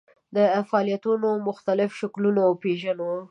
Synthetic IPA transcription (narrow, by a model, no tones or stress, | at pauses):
d̪əfaɑːlijat̪unomʊxt̪alɪfʃaklunapeʒano